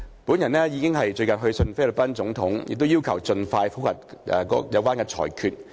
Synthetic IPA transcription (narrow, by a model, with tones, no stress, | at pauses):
puː˨˥njɐ˨˩nɛː˥jiː˨˧kɪ˥ŋɦɐ˨jt͡ʃɵ˧ɥkɐ˨nɦɵ˧ɥsɵ˧nfe˥lɵ˨˩pɐ˥nt͡sʊ˨˥ŋt̪ʰʊ˨˥ŋjɪ̰˨k̚t̪o˥wjiː˥wkʰɐ˨˩wt͡sɵ˧nfaː˧jfu˨˥whɐ˨˩t̚ɛ̰˨˧kɔ̰ː˨˧˥jɐ˨˧wkʷaː˥nkɛː˧t͡sʰɔ̰ː˨˩jkʰyː˨t̚